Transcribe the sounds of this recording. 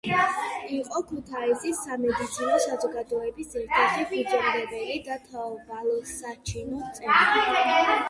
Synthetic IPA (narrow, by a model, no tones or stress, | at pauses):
iqʼɔkʰut̪ʰaisisːamɛd̪it̪sʰinɔsazɔɡad̪ɔɛbisɛɾt̪ʰɛχipid͡ʒɔmɾɛbɛlid̪at̪ʰaɔbalˠɔsat͡ʃʰinut̪sʼɛi